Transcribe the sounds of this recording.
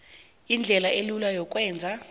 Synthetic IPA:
ind͡ɮʱɛlaʔelulajɔk̬ʼwɛːnd͡zʱa

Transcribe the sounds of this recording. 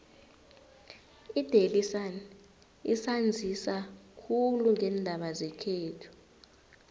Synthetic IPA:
id̥ʱelisan | isand͡zʱisakʰuluŋɛndʱaɓazɛkʰeːtʰu̥

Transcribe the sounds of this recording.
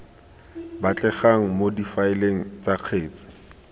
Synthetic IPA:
bat͡ɬʼɛχaŋ̩modifaɪleŋ̩t͡saq͡χʰeːt͡sɪ̥

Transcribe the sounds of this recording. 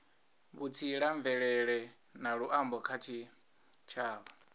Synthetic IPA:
βut͡sʰiɺaɱvɛɺɛɺɛ | naɺuʔambɔkʰat͡ʃʰi | t͡ʃʰaːβɔ

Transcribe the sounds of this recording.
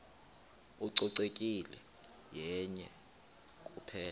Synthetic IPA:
uǀɔǀekʼilɛ | jɛɲɛ | kʼupʰɛːl

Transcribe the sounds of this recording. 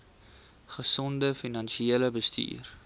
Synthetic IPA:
χəsɔndəfinɐnʃieːləbəsty̰ːr

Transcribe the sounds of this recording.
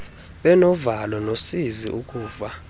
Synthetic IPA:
ɓɛnɔvalɔnosizḭʔukʼuːva

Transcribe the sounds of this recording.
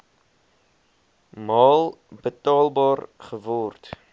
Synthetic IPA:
mɑːlˠbətɑːlˠbɑːrχəvɔrt

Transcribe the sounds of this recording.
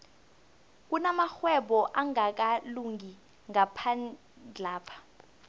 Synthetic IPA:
k̬ʼunamaxwɛɓɔʔaŋak̬ʼaluŋʱi | ŋapʰan | d͡ɮʱaːpʰḁ

